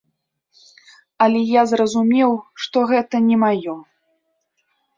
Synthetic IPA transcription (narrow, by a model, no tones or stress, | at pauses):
ɐlʲɛjazrɐzumʲɛwʂt̪ɔɣɛt̪ɐnʲɛmajɔ